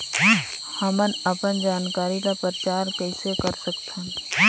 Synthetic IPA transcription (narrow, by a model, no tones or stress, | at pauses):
hɐmənɐpənd͡ʒaːnkaːɾilapəɾt͡ʃaːɾpɛːsekɐɾsəkt̪ʰẽ